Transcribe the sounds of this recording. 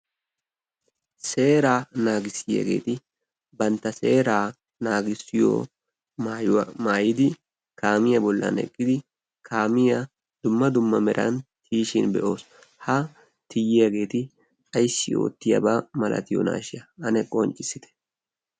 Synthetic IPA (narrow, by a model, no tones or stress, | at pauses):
se̞ːɾaːnaːɡɪsːɪjɐ̰ɡe̞ːt̪ɪ | bɐnt̪ːɐse̞ːɾaː | naːɡɪsːɪjo̰ː | mːjmaːjɪd̪ɪ | kaːmɪjɐbɔlːɐ̰nɛ̰kʼːɪd̪ɪ | kʰaːmɪja | d̪̥ʊmːɐd̪ʊmːɐmɛɾʔɐ̰nt̪ʰiːʃɪnbɛ̰ʔo̞ːs | hɐ | t̪ʰɪjɪjaɡe̞ːt̪ɪ | ɐjsːɪo̞̰ːt̪ːɪjɐ̰baːmɐlʔɐ̰t̪ɪjo̰na̰ːʃɪjɐʔɐnɛkʼɔnt͡ʃʼːɪsɪt̪ɛ̥